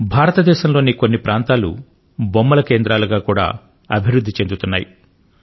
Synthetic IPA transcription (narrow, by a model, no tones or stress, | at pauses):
bʱaːɾɐt̪ɐd̪ɛːʃɐmlo̞ːnikonːipɾʔaːnt̪aːlṵ | bomːɐlɐkeːnd̪ɾaːluɡaːkuːɽa̰ː | ɐ̰bʱiɾud̪ʱːit͡ʃe̞nd̪ut̪unːa̰ːji